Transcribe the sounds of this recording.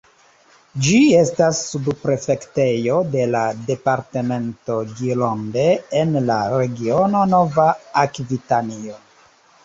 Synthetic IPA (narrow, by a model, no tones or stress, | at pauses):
d͡ʒie̞stasːubpɾe̞fe̞kte̞jo̞de̞lade̞paɾteme̞nto̞ɡilonde̞ːnlaɾe̞ɡiono̞no̞vaakvitanio